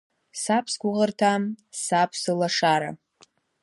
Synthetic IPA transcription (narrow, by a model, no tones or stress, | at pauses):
sapʰsɡʷʊʁərtʰamsapʰsɨlaʂaɾa̰